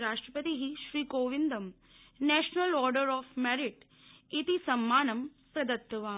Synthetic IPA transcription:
ɾaːʂʈɾɐpɐt̪iɦiʃɾiːkoːʋind̪ɐm | nɛːʃnɐlɔːɾɖəɾɔːfʰmɛːɾiʈ | it̪isɐmːaːnɐm | pɾɐd̪ɐt̪ːɐʋaː

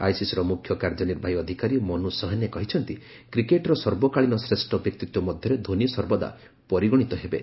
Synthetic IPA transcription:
a̰jsisɔɾɔmukʰjɔkaɾd͡ʒɔniɾbʱajɔd̪ʱikaɾimɔnusɔɦɔnekɔɦit͡ʃʰɔnt̪i | kɾikeʈɔɾɔsɔɾbɔkaɭinɔsɾesʈɔbjek̚t̪it̪wɔmɔd̪ʱjɔɾed̪ʱonijɔsɔɾbɔd̪a̰ | pɔɾiɡɔɽ̃it̪ɔɦebḛ

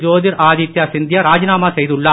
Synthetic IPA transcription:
d͡ʒoːðɪɾʔaːðit̪jɐsɪnd̪jɐɾaːd͡ʒɐnaːmaːsɛjðɯɭːɐ

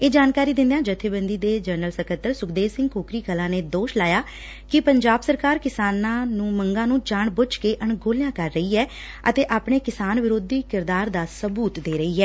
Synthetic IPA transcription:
eːd͡ʒaːnkaːɾiːd̪ɪnd̪ejãːd͡ʒət̪ʰːeːbə̃nd̪iːd̪eːd͡ʒəɾnəlsəkʰət̪ːəɾsʊkd̪eːsɪ̃ŋɡkoːkɾiːkəlãːneːd̪oːʃlaːjaː | kɪpəɲd͡ʒaːbsəɾkaːɾkɪsaːnãːnũːməŋɡãːnũːd͡ʒaːɳbʊt͡ʃkeːʔəɳɡoːlejãːkəɾːəiːɦɛː | ə̰t̪eːʔaːpɳ̃eːkɪsaːnʋɪɾoːd̪iːkɪɾd̪aːɾd̪aːsəbuːt̪d̪eːɾəiːɦɛː

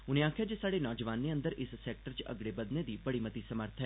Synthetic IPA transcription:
ʊnẽaːkʰjaːd͡ʒeːsaːɽeːnɔːd͡ʒəʋaːnːeːə̃nd̪əɾɪssɛːk̚ʈəɾt͡ʃə̰ɡɽebəd̪ned̪iːbəɽiːmət̪iːsəməɾt̪ʰɦɛː

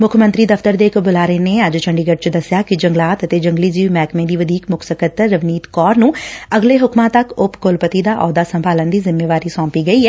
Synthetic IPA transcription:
mʊkʰəmənt̪ɾiːd̪əft̪əɾd̪eːɪkbʊlaːɾəeːneːəd͡ʒt͡ʃʰəɳɖiːɡəɖ̚t͡ʃd̪əsjaːkɪd͡ʒəŋɡlaːt̪ət̪eːd͡ʒəŋɡliːd͡ʒiːʋmɛːkmẽːd̪iːʋəd̪iːkmʊksəkət̪ːəʋniːt̪kɔːɾnũːəɡleːɦʊkmãːt̪əkʊpkʊlpət̪iːd̪aːʔɔːd̪aːsəmbʱaːlənd̪iːzɪmːeːʋaːɾiːsɔ̃ːmpiːɡəiːɦɛː

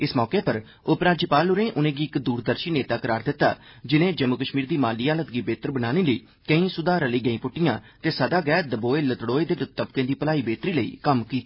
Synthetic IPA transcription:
ɪsmɔːkeːpəɾ | ʊpɾãːd͡ʒiːpaːlʊɾẽːʔʊnẽːɡiːɪkd̪uːɾd̪əɾʃiːneːt̪aːkəɾaːɾd̪ɪt̪ːa̰ːd͡ʒɪnẽːd͡ʒəmːʊkəʃmiːɾd̪iːmaːliːaːlət̪ɡiːbeːt̪əɾbənaːneːləiː | kəĩːsʊd̪aːɾəliːɡəĩːpʊʈːɪjãːt̪eːsəd̪aːɡɛːd̪əboːeːlət̪ɽoːeːd̪eːt̪əbkẽːd̪iːpəlaːiːbeːt̪ɾiːləḭːkəmkiːt̪ː

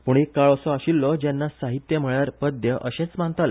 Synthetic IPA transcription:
puːɳekːaɭɔsɔaɕilːɔd͡ʑenːasaɦit̪jəm̤əɭjaɾpəd̪jəʔəɕẽt͡smãnt̪al

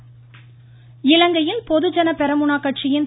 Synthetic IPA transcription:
ɪlɐŋɡɐjɪlpɔðɯd͡ʒɐnɐpɛɾɐmʊɳaːkːɐʈt͡ʃɪjɪn

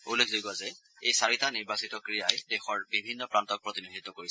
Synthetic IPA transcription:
ulːekʰzojɡazɛ | ejsaɹitaniɹbasitɔkɹijajdɛxɔɹbibʱinːɔpɹantɔk̚pɹotinidʱit̪ːɔkoɹis

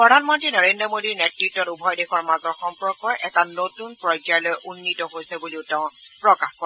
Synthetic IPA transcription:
pɔdʱanmɔntɹinɔɹendɹɔmodiɹnetɹitːɔtubʱɔjdexɔɹmazɔɹxɔmpɹɔkɔjʔɛtanotunpɹɔjd͡ʒjajlojʔunːitɔɦojsɛbuliʊteʊ̃pɹɔkaxkɔ

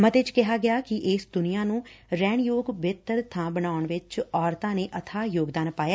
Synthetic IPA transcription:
mət̪eːt͡ʃkɪɦaːɡɪaːkɪʔɪːsd̪ʊnijãːnũːɾɛːɳjoːɡbɪt̪əɾt̪ʰãːbənaːʊɳʋɪt͡ʃɔːɾt̪ãːneːʔət̪ʰaːjoːɡd̪aːnpaːjaː

